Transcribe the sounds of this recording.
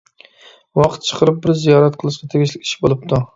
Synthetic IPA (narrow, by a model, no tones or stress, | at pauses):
wɑqʰt̪̚t͡ʃʰɨ̥qʰəɾɪp̚bɪɾzijɒɾat̪qʰɨlˠɪʃkʲɑt̪ʰeɡʲɪʃlɪkʲi̥ʃɪbolˠɪp̚t̪ʰʊ